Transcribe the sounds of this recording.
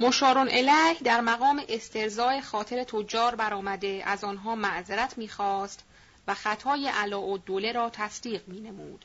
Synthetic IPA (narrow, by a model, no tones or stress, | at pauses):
moʃɒːɾonʔelæːhd̪æɾmæɣɒːmeʔest̪ʰe̞ɾzɒːe̞xɒːt̪ʰe̞ɾe̞t̪ʰod͡ʒɒːɾbæɾɒːmæd̪e̞æzɒːnɦɒːmæʔzeɾæt̪ʰmiːxɒːst̪ | væxæt̪ʰɒːjeʔælɒːʔod̪ole̞ɾɒːt̪ʰæsd̪iːɣmiːne̞mṵːd̪̥